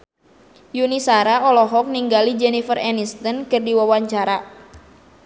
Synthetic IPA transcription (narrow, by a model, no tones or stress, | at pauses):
junisaɾaɔlɔɦɔk̚niŋɡalid͡ʒɛnifərɛnist̪ənkɨrdiwawaɲt͡ʃaɾa